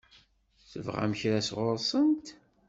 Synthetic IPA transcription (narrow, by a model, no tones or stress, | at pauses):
θə̰vʁæ̰mçɾæsʁʊɾsˤənt̪